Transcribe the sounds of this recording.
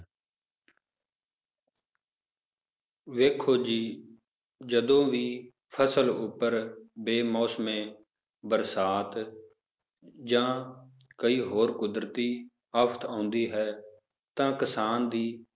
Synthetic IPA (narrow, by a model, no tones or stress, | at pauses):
ʋeːkʰːoːd͡ʒiː | d͡ʒəd̪õːʋiː | pʰəsəlʊpːəɾbeːmɔːsəmẽː | bəɾsaːt̪ | d͡ʒãː | kəiːɦoːɾkʊd̪ɾt̪iː | əpʰt̪ʰãːnd̪iːɦɛː | t̪ãːkəsaːnd̪iː